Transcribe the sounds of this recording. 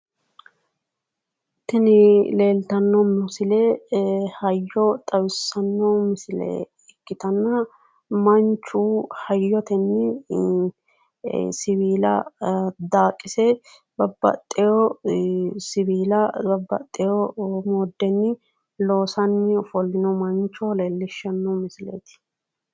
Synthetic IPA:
t̪ːɛnɪle̞ːlt̪ɐnːɔmɪsɪlɛhɐjːɔt̪ʼɐwɪsɐnːɔmɪsɪlɛ̰ | ɪkːɪt̪ɐnːɐ | mɐnt͡ʃːuːhɐjːɔt̪ɛnːɪ | sɪβiːlɐ̰d̪aːkʼːɪsɛ | bɐbːɐ̰t̪ʼːɛjɔ | sɪbiːlɐbɐbːɐ̰t̪ʼːɛjɔmoːd̪ːɛnːɪ | lo̞ːsɐnːɪfɔlːɪnɔmɐnt͡ʃːɔleːlːɪʃɐnːɔwmɪsɪlḛːt̪ɪ̥

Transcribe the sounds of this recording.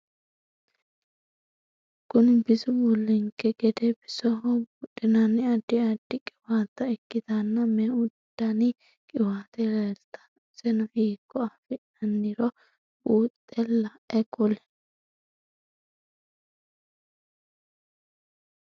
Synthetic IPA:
kʊnɪbɪsʊbʊlːɪŋkːɛɡɛd̪ɛbɪsɔɦɔbʊᶑʼːɪnɐnɪɐd̪ːɪɐd̪ːɪkʼɪwaːt̪ːɐɛkːɪd̪ɐnːɐmɛʊdd̪ːɐnɪ | kʼɪwaːt̪ɛɾeɾt̪ɐ̥ | sɛnʊhiːkːɔɐfɪ | ɐnːɪɾɔ | uːt̪ʼːɛlːɐ | ɛkʊlɛ̥

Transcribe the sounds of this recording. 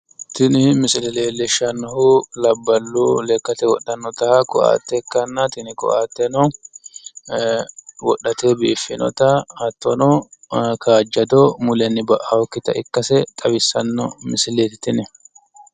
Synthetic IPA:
t̪ɪnɪmɪsɪlɛleːlɛʃɐnːɔhʊlɐbːɐlːulɛkːɐt̪ɛwɔɗːɐnːɔt̪ɐkɔʔa̰ːt̪ːɛkːɐnːɐt̪ɪnɪkɔ̰ʔaːt̪ːɛnɔ | wɔɗːɐt̪eːbiːfːɪnɔ̰t̪ɐɐt̪ːɔnɔkaːd͡ʒːɐd̪ɔmʊlɛnːɪbɐʔɐhɔkːɪt̪ɐʔɪkːɐsɛt̪ʼɐbɪsːɐnːɔmɪsɪleːt̪ɪt̪ɪnɛ

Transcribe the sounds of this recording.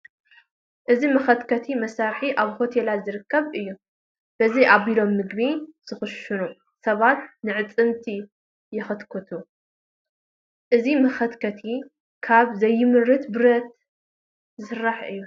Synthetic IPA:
ʔɨzimɐxɐt̪kʰɐt̪ʰimɐsaɾħiʔaβho̞t̪ʰelazɨɾɨkʰːɐβɨjːu | b̥ɐzijʔaβilo̞mːɨɡbiz̥ɨxʊʃɨnu | sɐβat̪nɨʕɨt͡sʼɨmt̪ʰi | jɪxɨt̪kʰɨt̪ʰu | ʔɨzimɐxɐt̪kʰɐt̪ʰi | kʰaβzɐjːɪmɨɾɨt̪bɨɾɐt̪̚ | zɨsɨrːaħʔɨ̰jːu

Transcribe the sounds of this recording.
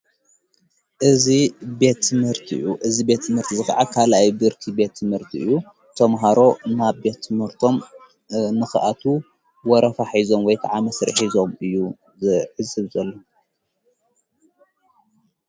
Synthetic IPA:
ʔɨzibe̞t̪ʰːɨmhɨɾt̪ʰiʔjuʔɨzibe̞t̪ʰːɨmhɨɾt̪ʰizɨxa̰ʕakʰalajbɨɾkʰibe̞t̪ʰːɨmhɨɾt̪ʰiɨ̰jːu | t̪ʰɐmɦaɾo̞naβbe̞t̪ʰːɨmhɨɾt̪ʰo̞m | nɨxɨʔat̪ʰu | wɔɾɐfaħizo̞mwɔjkʰaʕamɐsɾɨ̰ħizo̞mɨjːu | zɨʕɨzːɨβzɐlːo

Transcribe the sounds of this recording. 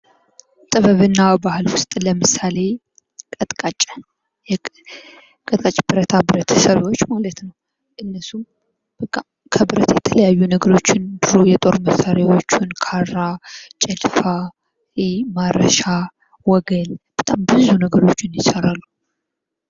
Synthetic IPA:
t̪ʼɨβəβɨnːabahɨlwʊst̪ʼləmɨsale̞ | kʼət̪ʼkʼat͡ʃʼ | jɛ | kʼət̪ʼkʼat͡ʃʼb̥ɨɾət̪ʰabɨɾət̪ʰə̥səβwo̞t͡ʃːmalət̪nəw | ʔɨnːəsum | bʼ | kʰəbɨɾət̪jɛt̪ʰələjajːunəɡəɾo̞t͡ʃːɪnbɨɾojɛt̪ʼo̞ɾməsaɾjawo̞t͡ʃːunkʰarːat͡ʃʼɛlfa | maɾəʃa | wɔɡəlb̥ət̪ʼambɨzunəɡəɾo̞t͡ʃːɪnjɪsaɾalːu

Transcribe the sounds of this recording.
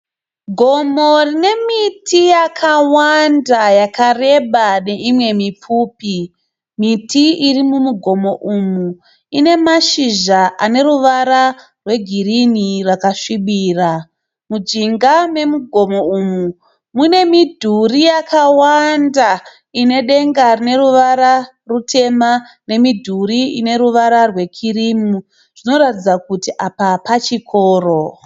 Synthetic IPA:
ɡʱo̞mo̞rine̞mitʰijakʰawandajakare̞ɓane̞ʔimwe̞mip͡fuːpi | mitʰiirimumuɡʱo̞mo̞ʔumu | ine̞maʃiʒaʔane̞ruʋaɾa | rwe̞ɡʱirinirwakaʂiɓiːra | mud͡ʒiŋɡame̞muɡʱo̞mo̞umu | mune̞midʱurijakawanda | ine̞ɗe̞ŋɡarine̞ɾuʋaɾa | rutʰe̞ma | ne̞midʱuriine̞ɾuʋaɾarwe̞kʰiɾimu | ʐ̥ino̞ɾatid͡zakutiʔapapat͡ʃikʰoːro

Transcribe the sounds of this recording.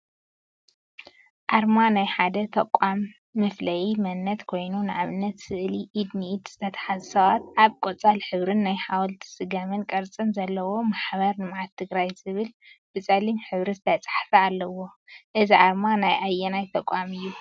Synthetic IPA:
ʔaɾmanajħad̪ɐt̪ʰɐkʼːamː | ɨflɐjimɐnːɐt̪kʰo̞jnunʔaβɨnːɐt̪sɨʔliʔid̪niid̪z̥ɨt̪ʰɐt̪ʰɐ̥ħazsɐβat̪ʔaβkʼot͡sʼalħɨβɾɨnːajħawlt̪ʰsɨɡɐmɨnkʼɐɾt͡sʼɨnzɐlːɐwo̞maħbɐɾnɨmʕat̪ʰːɨɡɾajzɨβɨlb̥ɨt͡sʼɐlimħɨβɾɨzɨt̪ʰɐt͡sʼḁħfɐalːɐwo̞ʔɨziʔaɾmanajʔajːɛnajt̪ʰɐkʷʼamɨjːu

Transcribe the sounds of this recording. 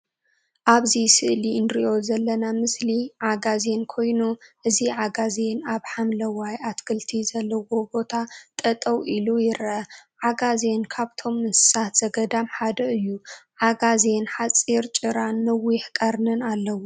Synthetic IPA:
ʔaβzisɨʔliɨnɾiʔo̞zɐlːɐnamɨsliʕaɡaze̞nkʰo̞jnuʔɨziʕaɡaze̞naβħamlɐwajʔat̪kʰɨlt̪ʰizɐlːɐwo̞bo̞t̪ʰat̪ʼɐt̪ʼɐwilujɪɾʔɐʕaɡaze̞nkʰaβt̪ʰo̞mːɨnsɨ̥sat̪z̥ɐɡɐd̪amħad̪ɐɨjːuʕaɡaze̞nħat͡sʼːiɾt͡ʃʼɨɾanːɐwiħkʼɐɾnɨnalːɐwo

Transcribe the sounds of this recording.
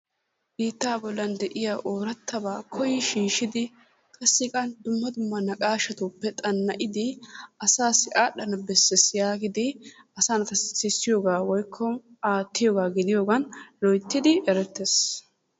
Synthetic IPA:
biːt̪ːaːbɔlːɐnd̪ɛʔɪjaːʔoːɾɐt̪ʰːɐbaːkʰɔjɪʃiːʃɪd̪ɪ | kʼɐsːɪkʼɐnd̪ʊmːɐd̪ʊmːɐnɐkʼaːʃɐt̪upːɛt̪ʼɐnːɐʔɪd̪ɪɐsaːsɪʔaːɗɐnɐbɛsːɛsjaːɡɪd̪ɪ | ɐsaːnɐt̪ɐssɪsːɪjoːɡaːwɔjkʰːɔ | aːt̪ːɪjoːɡaːɡɪd̪ɪjoːɡɐnlɔjt̪ːɪd̪ɪʔɛɾɛt̪ːes

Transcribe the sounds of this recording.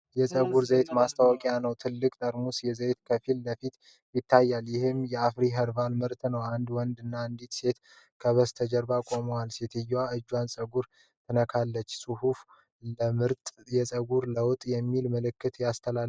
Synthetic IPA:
jɛsʼəɡuɾzət̪mast̪ʰawɔkʼjanəwt̪ʰɨlːɨkʼt̪ʼəɾmusjɛzəjt̪kʰəfilːəfit̪ | jɪt̪ʰːajːaljɪhɨmjɛafɾiɦəɾvanmɨɾt̪ʼnəwand̪wɔnd̪ɨnːaɨnd̪it̪se̞t̪ | kʰəβəst̪ʰəd͡ʒəɾbakʼo̞məwalset̪ʰɨjːwaɨd͡ʒːwansʼəɡuɾ | t̪ʰɨnəkʰalːət͡ʃːsʼuhuf | ləmɨɾt̪ʼjɛsʼəɡuɾləwt̪ʼjɛmːilməlɨkːɨt̪jast̪ʰəla

